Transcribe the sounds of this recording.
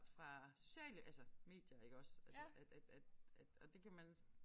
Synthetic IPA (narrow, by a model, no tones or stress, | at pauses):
fʁɑ̈so̝ɕɛ̰ːləʔælsɐme̝̰ːd̥jɐe̝ɡ̥əɒ̽sælsəʔæ̥æ̥æd̥æd̥ɒ̽d̥e̝kʰæmæn